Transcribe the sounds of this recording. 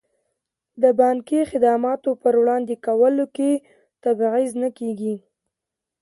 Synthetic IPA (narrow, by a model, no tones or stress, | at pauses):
d̪əbɑnkexɪd̪ɑmɑt̪opəɾwɽɑnd̪ekawəloke | t̪abɣiznəkeɡi